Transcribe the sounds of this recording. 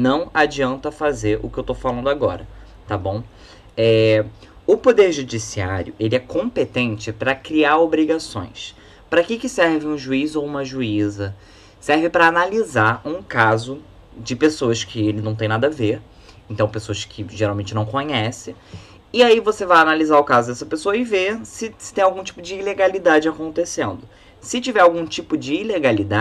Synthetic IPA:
nɐ̃w̃ad͡ʒiɐ̃nt̪ɐfazeɾʊ̰kɪewt̪ofalɐ̃nd̪ʊaɡɔ̰ɾɐ | t̪abõw̃ | ɛ | ʊpod̪eɾʒud͡ʒisia̰ɾjʊʔelɪɛkõpet̪ẽnt͡ʃɪpɾɐkɾiaɾobɾiɡasõ̰j̃s | pɾɐkɪkɪsɛɾvɪ̃ũʒuizʊowũmɐʒuizɐ | sɛɾvɪpɾɐːnalizaɾũkazʊ | d͡ʒɪpesoɐskʰɪelɪnɐ̃t̪ẽj̃nad̪ɐveɾ | ẽnt̪ɐ̃w̃pesoɐʃkʰɪʒeɾawmẽnt͡ʃɪnɐ̃w̃kõɲɛsɪ | ɪaivosevajanalizaʊkazʊd̪ɛsɐpesoɐɪvesɪsɪ̥t̪ẽj̃awɡũt͡ʃi̥pʊd͡ʒɪːleɡalid̪ad͡ʒɪakõnt̪esẽnd̪ʊ | sɪt͡ʃivɛɾawɡũt͡ʃipʊd͡ʒɪːleɡalid̪a

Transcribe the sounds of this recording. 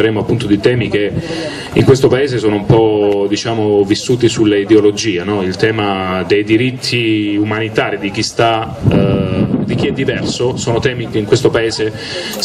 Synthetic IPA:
eɾeːmoapːunt̪od̪it̪ɛːmik̟e | iŋkwest̪opaeːzesoːnoumpɔd̪it͡ʃaːmovisːuːt̪isulːaid̪eolod͡ʒiːanɔilt̪ɛːmad̪ejd̪iɾit̪ʰːiumanit̪aːɾid̪ik̟ist̪a | d̪ik̟iɛd̪ːivɛrsosoːnot̪ɛːmikeiŋkwest̪opaeːze

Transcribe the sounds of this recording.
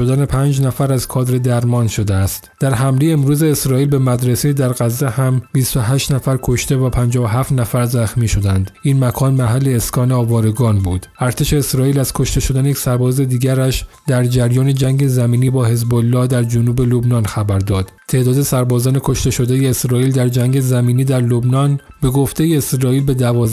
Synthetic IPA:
od̪æne̞pʰæːnd͡ʒnæfæɾæzkʰɒːd̪ɾe̞d̪æɾmɒːnʃo̞d̪eæst̪d̪̥æɾɦæmlejeːmɾuːze̞ːsɾɒːiːlbe̞mæd̪ɾesejed̪æɾɣæzːehæmbist̪oɦæːʃt̪næfæɾkʰo̞ʃt̪e̞væpʰænd͡ʒɒːvoɦæːft̪næfæɾzæxmiːʃo̞d̪ænd̪iːnmækʰɒːnmæɦælːe̞ːskɒːneɒːvɒːɾe̞ɡɒːnbuːd̪̥æɾt̪ʰe̞ʃe̞ːsɾɒːiːlæz̥kʰo̞ʃt̪e̞ʃo̞d̪ænejecʲsæɾbɒːze̞d̪iːɟæɾæʃd̪æɾd͡ʒæɾjɒːne̞d͡ʒæŋɟe̞zæmiːniːbɒːhe̞zbolːɒːhd̪æɾd͡ʒonuːbe̞lobnɒːnxæbæɾd̪ɒːd̪̥t̪ʰe̞ːd̪ɒːd̪e̞sæɾbɒːzɒːne̞kʰo̞ʃt̪e̞ʃo̞d̪ejeːsɾɒːiːld̪æɾd͡ʒæŋɡe̞zæmiːniːd̪æɾlobnɒːnb̥e̞ɡoft̪e̞jeːsɾɒːiːlbe̞d̪ævɒːz

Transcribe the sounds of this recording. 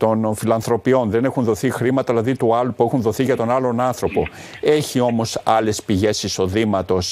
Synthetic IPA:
t̪o̞nfilɐnθɾo̞pio̞nðe̞ne̞xunðo̞θixɾimɐt̪ɐðilɐðit̪uɐlupue̞xunðo̞θiʝɐt̪o̞nɐlo̞nɐnθɾo̞po̞ | e̞çio̞mo̞sɐle̞spiʝe̞siso̞ðimɐt̪o̞s

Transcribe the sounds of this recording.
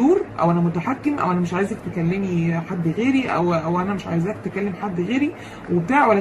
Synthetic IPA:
uːɾʔæ̰wʔænæmot̪æħakːemʔæ̰wʔænæmeʃʕaːjezæk̚t̪ekælːemiħad̪ːɣeːɾiʔæ̰wæwʔænæmeʃʕa̰jezækt̪ekælːemħad̪ːɣeːɾi | webet̪aːʕwælːæ

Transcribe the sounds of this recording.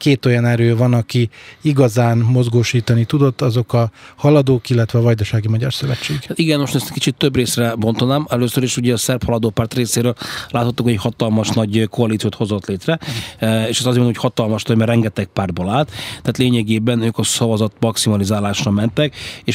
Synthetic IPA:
keːt̪o̞jɒnɛɾøːvɒnɒkiiɡɒzaːnmo̞zɡoːʃiːt̪ɒnit̪ud̪o̞t̪ːɒzo̞kɒhɒlɒd̪oːkilːɛt̪ʋɛːvɒjd̪ɒʃaːɡimɒɟɒrsøvɛt͡ʃːeːɡat̪iɡɛnmoʃt̪ːnɛst̪kit͡ʃit̪ːøbreːsrɛbo̞nt̪onaːmɛløːsøɾiʃuɟɛɒsɛrphɒlɒd̪oːpaːrt̪reːseːɾøːllaːt̪hɒt̪ːukhoɛchɒt̪ɒlmɒʃnɒɟkʰo̞ɒlit̪sioːt̪ho̞zo̞t̪leːt̪rɛeːʃɛst̪ɒzimɛnochɒt̪ɒlmɒʃt̪ɒɟmɛrɛŋɡɛt̪ɛk̚paːrd̪̚bolaːlt̪t̪ːɛaːt̪leːɲɛɡeːbɛnøːkɒsɒvɒzɒt̪mɒksimɒlizaːlaːʃrɒmɛnt̪ɛkeːʃ

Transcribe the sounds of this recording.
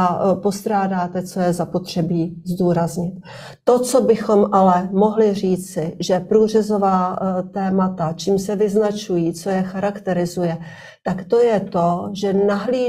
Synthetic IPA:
apo̞st̪ɾaːdaːt̪ɛt͡so̞jɛzapo̞t̪r̝̥ɛbiːzduːɾazɲɪt̪ː | o̞t͡so̞bɪxo̞mʔalɛmo̞ɦlɪr̝iːt͡sɪʒɛpɾuːr̝ɛzo̞vaːt̪ɛːmat̪at͡ʃiːmsɛvɪznat͡ʃujiːt͡so̞jɛxaɾakt̪ɛɾɪzujɛ | t̪akt̪o̞jɛt̪o̞ʒɛnaɦliː

